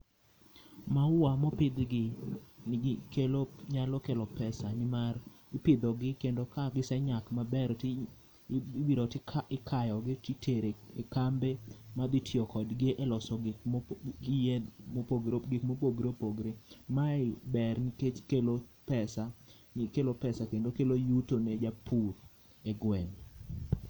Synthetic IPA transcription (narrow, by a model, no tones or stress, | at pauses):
maamɔpɪd̪ɡɪnkeloɲalɔkelɔpɛsanɪmar | ɪpɪd̪ɔɡɪkendokaɡɪsɛɲakmabɛɾtɪ | wiɾotɪaɪkʰajɔɡɪtitʰeɾeekambemad̪ɪtʰɪɔkɔdɡɪʔelɔsɔɡɪkɪjemopoɡɾoɡɪkmopoɡɾopoɡɾemaɪbɛrnɪket͡ʃkelopɛsa | ɲkelopɛsakendokelojutoned͡ʒapur | eɡwɛn